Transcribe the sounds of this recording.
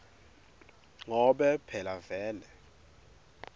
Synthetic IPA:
ŋɔɓɛpʰɛlavɛːlɛ

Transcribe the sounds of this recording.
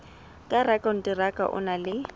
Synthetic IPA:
kʼarakʼan̩tʼɪrakʼa̰ʔʊ̰nalɪ

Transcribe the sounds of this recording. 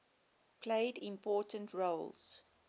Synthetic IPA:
pʰleɪdɪ̃mpʰɔːtə̃ntʰɹolz̥

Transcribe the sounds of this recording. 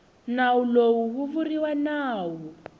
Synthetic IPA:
nawulowuɦuvuriwanaːwɔ

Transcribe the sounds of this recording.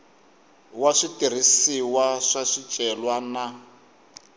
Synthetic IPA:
waʂitir̤isiwaʂaʂit͡ʃʼɛlwana

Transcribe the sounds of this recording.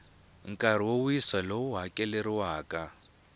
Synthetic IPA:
ŋ̩kʼar̤iwouisalouɦakʼɛleɾiwaːkʼa

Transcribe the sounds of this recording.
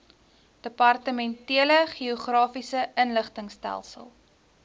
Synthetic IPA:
d̥əpɐrtəmɛntiələχioχrɑːfisəənləχtəŋstæ̰lˠsə̰lˠ

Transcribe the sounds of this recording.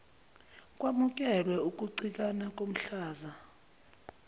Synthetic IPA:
kʼwamuk̬ʼɛlwɛuk̬ʼuǀik̬ʼanak̬ʼom̩ɬaːza

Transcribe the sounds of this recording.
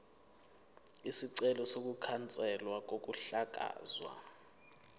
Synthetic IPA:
isiǀɛlɔsok̬ʼukʰant͡sʼɛlwak̬ok̬ʼuɬak̬ʼa̰ːzwa̰

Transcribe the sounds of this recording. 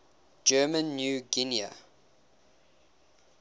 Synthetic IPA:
d͡ʒɜːmə̃nːjuːɡinia̰

